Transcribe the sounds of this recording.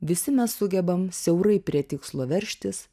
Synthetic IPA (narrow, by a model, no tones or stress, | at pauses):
ʋʲɪsʲɪmʲɛsːʊɡʲɛbɐmsʲɛʊɾɐɪpʲɾʲiɛt̪ʲɪkslˠoːʋʲɛɾʲʃʲt̪ʲɪs